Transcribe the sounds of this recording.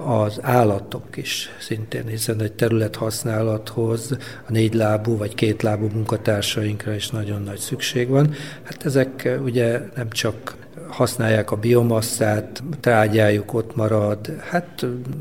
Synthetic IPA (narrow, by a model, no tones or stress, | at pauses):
ɒzaːlːɒt̪o̞kiʃsint̪ḛːnhisɛnɛc̚t̪ɛɾylɛt̪hɒsnaːlɒt̪ho̞z | ɒneːɟlaːbuːvɒckeːt̪laːbuːmuŋkɒt̪aːrʃɒjiŋkrɒiʃnɒɟo̞nːɒcsykʃeːɡʋɒnhat̪ɛzɛkuɟɛnɛmt͡ʃɒk | hɒsnaːjːaːkɒbio̞mɒsːaːt̪t̪raːɟaːjuko̞t̪mɒɾɒd̪hat̪